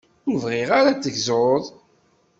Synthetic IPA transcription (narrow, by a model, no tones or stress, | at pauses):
ʊvʁɪʁaɾat͡sːəçzðˤ